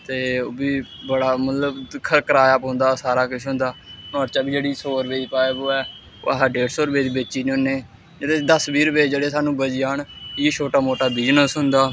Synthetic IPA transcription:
t̪eːoːbiː | bəɽaːmət̪ləbkʰəɾkəɾaːaːpɦʊ̃ːnd̪aːsaːɾaːkʊʃʰɦʊ̃nd̪aːnɔːɾt͡ʃaːbiːd͡ʒeːɽiːsoːɾəpeːiːpaːeːɡoːɛː | o̰ːɦaːɖeːɽsoːɾʊpeːd̪iːbet͡ʃiːneːonːeː | d͡ʒeːɽeːd̪əsbiːɾʊpeːd͡ʒeːɽeːsaːnũːbəd͡ʒjaːɳeːt͡ʃʰoːʈaːmoːʈaːbid͡ʒnəsʊnd̪aː

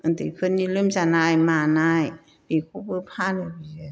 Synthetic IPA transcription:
ʔant̪ikʰɯnjilɯmsanaːjmaːnaːj | piːkʰupɯpʰaːnapii

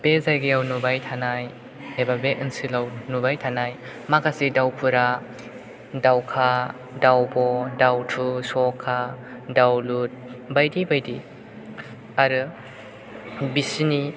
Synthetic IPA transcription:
b̥ezajɡejawnubajtʰanaj | ebabeʔɯnsilawnubajtʰanaj | makasidawpʰuɾa | dawkʰa | dawbɔdawtʰusɔkʰːa | dawlut̚bajdibajdi | aɾɯ | bisini

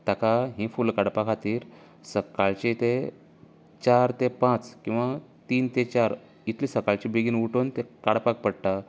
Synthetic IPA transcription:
t̪akaɦĩfulkaɽpakʰat̪iːɾ | səkaɭt͡ɕit̪e | t͡ɕaɾt̪epãt͡skĩw̃ʋat̪iːnt̪et͡ɕaɾ | it̪ʰlisəkaɭt͡ɕibeɡinuʈont̪ekaɽpak̚pəɽʈa

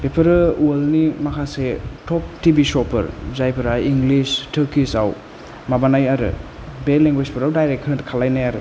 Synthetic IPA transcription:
bepʰɐɾɯualnimakʰasetʰɔp̚tibisɔpɐ̰ɾzajpʰɐɾaiŋɡlistʰɐkisaw | mabanajaɾɯ̰ | beleŋɡwispʰɯɾawdajɾek̚tʰɐnkʰalajnajaɾɯ

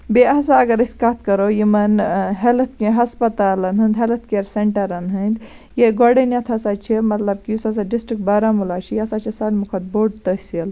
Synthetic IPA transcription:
beɐs̬aɐɡɐɾɐsʲkat̪̚ʰkɐɾojimɐnɦɐlɐt̪̚kẽɦɐspɐt̪aːlɐnɦɨnd̪ɦɐlɐt̪̚keɾseɳʈɐɾɐnɦənd̪ | jeɡoɖɐnjɐt̪ʰɐsat͡ʃʰimɐt̪lɐb̚kiusɐs̬aɖisʈɾik̚ʈbaɾamulaːt͡ʃʰijɐsaːt͡ʃʰisaːlmukʰɐt̪̚boːɖ̚t̪əsil

